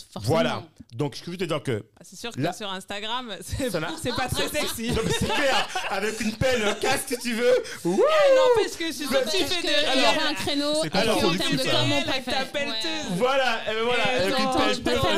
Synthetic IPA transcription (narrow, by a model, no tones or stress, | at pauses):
vwalad̪ɔ̃kskəʒət̪əd̪iʁkə̰sɛsyʁklasyʁɛ̃st̪aɡʁamsɛsɔnasɛpat̪χɛsɛksiɔ̃mɛsɛklɛʁavɛkynpɛløkaksit̪yvøwuɔ̃paskəst̪yfɛd̪ʁɛ̃kχenosɛkalɔd̪ykimɔ̃t̪ak̪̚apɛlt̪uvwalaebɛ̃vwalavɛkynpɛl